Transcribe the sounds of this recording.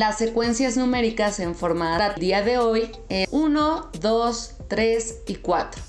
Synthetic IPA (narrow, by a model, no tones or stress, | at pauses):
lasːekwe̞nsjaznũmeɾikase̞ɱfoɾmaðaad̪iaðe̞oj | eunoðos | t̪ɾesikwat̪ɾo̥